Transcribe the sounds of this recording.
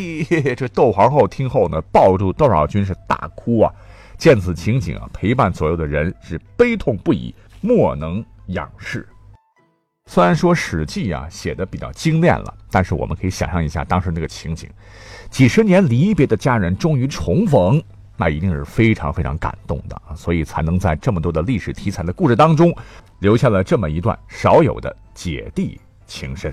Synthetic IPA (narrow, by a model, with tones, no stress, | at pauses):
ʈ͡ʂɤ˥˧t̪o˥˩ʊxwɑ˧˥ŋxo˥˩ʊt̪ʰi˥ŋxo˥˩ʊnə˩pɑ˥˧ʊʈ͡ʂu˥˧t̪o˥˩ʊʂɑ̰˨˩ʊt͡ɕy˥nʂ̬̩˥˧t̪a̰˥˩kʰu˥ɐ̰˨˩ | t͡ɕjɛ˥˩nt͡sʰɹ̩˨˩t͡ɕʰi˧˥ŋt͡ɕḭ˨˩ŋɐ̰˩pʰe˧˥ɪpa˥˩nswɔ˧˥jo˨˩d̪ə˩ɻə˧˥nʂɻ̩˥˩pe˥ɪt̪ʰʊ˥˧ŋpu˥˩ḭ˨˩˦ | mwɔ˥˩nɤ˧˥ŋjɑ̰˨˩ŋʂɻ̩˥˩ | swe˥ɪɻa˧˥nʂwɔ˥ʂɻ̩˨˩t͡ɕi˥˩ɐ̰˩ɕjɛ̰˨˩d̪ə˦pi˨˩t͡ɕjɑ̰˥˩ʊt͡ɕi˥ŋljɛ̰˥˩nlə̰˩t̪a˥˧nʂɻ̩˥˩wɔ˨˩mə˦kʰɤ˧˥i˧˥ɕjɑ̰˨˩ŋʂɑ˥˩ŋi˧˥ɕja̰˥˧˩t̪ɑ˥ŋʂɻ̩˧˥na˥˩ə˨t͡ɕʰi˧˥ŋt͡ɕḭ˨˩˦ŋ | t͡ɕi˨˩ʂɻ̩˧˥njɛ˧˥nli˧˥˩pjɛ˧˥d̪ə˧t͡ɕja˥ɻə˧˥nʈ͡ʂʊ˥ŋy˧˥ʈ͡ʂʰʊ˧˥ŋfɤ˧˥ŋ | na̰˥˩i˧˥t̪i˥˧ŋʂɻ̩˥˩fe˥ɪʈ͡ʂʰɑ˧˥ŋfe˥ɪʈ͡ʂʰɑ˧˥ŋka̰˨˩nt̪ʊ̰˥˩ŋd̪ə̰˩swɔ˧˥i˨˩t͡sʰa˧˥ɪnɤ˧˥ŋt͡sa˥˧ɪʈ͡ʂɤ˥˩mə˩t̪wɔ˥d̪ə˧li˥˩ʂɻ̩˨˩t̪ʰi˧˥t͡sʰa˨˩ɪd̪ə˦ku˥˧ʂɻ̩˥˩t̪ɑ˥ŋʈ͡ʂʊ˥ŋljo˧˥ʊɕja˥˩lə˩ʈ͡ʂɤ˥˩mə˩i˧˥t̪̬wa̰˥˩nʂɑ˧˥ʊjo˨˩ʊd̪ə̰˦ | t͡ɕjɛ̰˨˩t̪i˥˩ | t͡ɕʰi˧˥ŋʂə˥n